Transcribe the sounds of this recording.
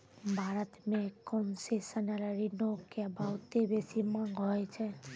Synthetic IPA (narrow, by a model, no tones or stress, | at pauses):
bʱaːɾət̪mẽkɔmsesənəɾəɾinokebʱawt̪ebesimãŋɡɦɔjt͡ʃʰe